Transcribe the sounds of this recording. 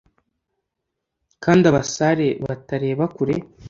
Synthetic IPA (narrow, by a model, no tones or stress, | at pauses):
kaːndiaβasaɾe̞βa̰taɾe̞ːβakuɾe̞